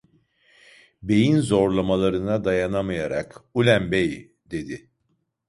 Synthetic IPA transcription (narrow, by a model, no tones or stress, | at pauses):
be̞jinzo̞ɾlˠamalˠaɾɯnad̪ajanamajaɾa̰kulʲæmbej | d̪e̞d̪ɪ